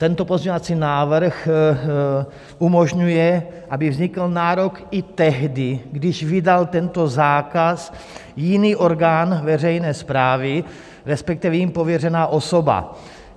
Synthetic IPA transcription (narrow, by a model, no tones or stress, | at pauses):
t̪ɛnt̪o̞pozɲovat͡siːnaːvɾ̩x | ʔumo̞ʒɲujɛʔabɪvzɲɪkl̩naːɾo̞kɪt̪ɛɦdɪɡdɪʃvɪdalt̪ɛnt̪o̞zaːkas | jɪniːʔo̞ɾɡaːnvɛr̝ɛjnɛːspɾaːvɪ | ɾɛspɛk̚t̪ivɛjimpo̞vjɛr̝ɛnaːʔo̞so̞ba̰